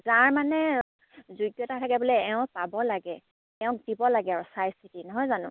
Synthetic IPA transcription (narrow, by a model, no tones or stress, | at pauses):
zaɹmanɛ | zujɡjɔtatʰakɛbɔlɛɛʊ̃pabɔlaɡɛ | ɛʊ̃k̚d̥ibɔlaɡɛaɹusajsʰitinɔɦɔjzanʊ̰̃